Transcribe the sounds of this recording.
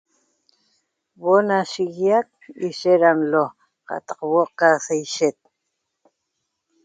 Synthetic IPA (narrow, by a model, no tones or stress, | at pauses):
βonaʃiɣjak̚iʃeɾamlo | qɑ̰t̪ɑqwoqːasejʃet̪̚